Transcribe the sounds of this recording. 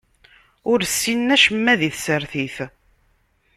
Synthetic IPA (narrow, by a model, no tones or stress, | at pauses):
ʊɾsːinːæʃəmːæðiθsəɾθiθ